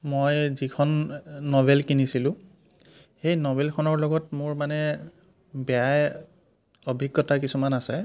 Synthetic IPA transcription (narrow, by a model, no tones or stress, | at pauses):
mojzikʰɔnːɔbelkinisilʊ̃ | xejnɔbɛlkʰɔnɔɹlɔɡɔtmʊɹmanɛ | bɛjaj | obʱiɡːɔtakisumanasɛ